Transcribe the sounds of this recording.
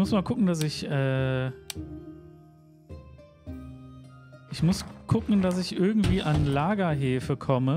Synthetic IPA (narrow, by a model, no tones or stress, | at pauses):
mʊsmaːlkʰʊkŋ̩dasɪçʔɛː | ʔɪçmʊskʰʊkŋ̩dasɪçʔɪɐɡŋ̩tv̥iːʔanlaːɡɐɦeːfəkʰɔmə